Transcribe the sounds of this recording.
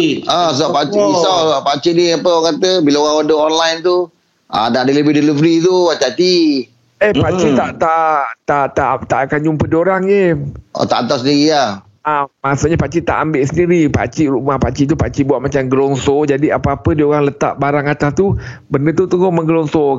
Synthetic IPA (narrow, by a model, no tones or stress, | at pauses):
as̬apat͡ʃisasaʔpat͡ʃiʔniapəŋkat̪əbilaoɣaŋandəɔnlajnt̪u | a̰naʔadələbehdəlivəɾit̪uat͡ʃat͡ʃi | əhpat͡ʃit̪aʔt̪aʔt̪aʔt̪aʔt̪aʔakand͡ʒumpədioɾaŋjḛt̪a̰ʔ̪t̪asəndiɣiah | amasuʔɲapat͡ʃit̪a̰ʔambɪʔsəndiɾipa̰t͡ʃiʔɾumahpat͡ʃiʔt̪̬upat͡ʃiʔbuaʔ̪̚mat͡ʃamɡəlɔŋsɔd͡ʒadiapaapədioɣaŋlət̪a̰ʔbaɾaŋat̪ast̪ubəndət̪ut̪uɡoməŋɡəlɔŋsɔ